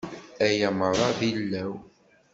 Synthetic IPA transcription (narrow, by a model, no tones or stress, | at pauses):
æjæməɾˤɑðilːæw